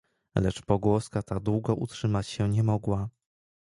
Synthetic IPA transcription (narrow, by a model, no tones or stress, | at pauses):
lɛt͡ʂpɔɡwɔskat̪ad̪wuɡɔʔutʂɘmat͡ɕɕɛɲɛmɔɡwa